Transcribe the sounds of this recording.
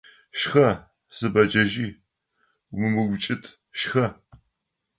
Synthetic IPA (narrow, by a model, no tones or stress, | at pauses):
ʃxɐ | z̥ɨbɐd͡ʒɐʒiː | mɨmɨɡʷʊt͡ʃʼɪtʰ | ʃxɐ